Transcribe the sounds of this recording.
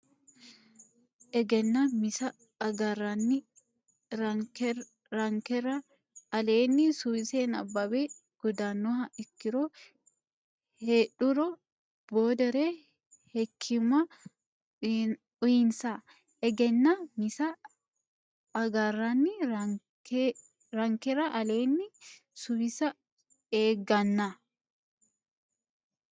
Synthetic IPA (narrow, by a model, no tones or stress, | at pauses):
ʔɛɡɛnːɐmɪsɐ | ɡarɐnːɪ | ɾɐŋkɛrɐ | ɐleːnːɪsuseːnɐ̰bːɐbeː | ɡ̥ɔd̪aːnːɔɦɐʔɪkːɪɾoː | heᶑʊɾɔ | boːd̪ɛɾeː | hɛkʰːɪmɐ | ʊjɪnsa | ɛɡɛnːamɪsɐ | ɡarːɐnːɪ | ɾɐŋkɛɾɐʔɐleːnːɪ | sʊbɪsɐ | eːɡɐnːɐ